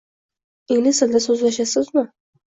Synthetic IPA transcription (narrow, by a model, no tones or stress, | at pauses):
eŋnɪsɪld̪asɵzlaʃasɪzmɪ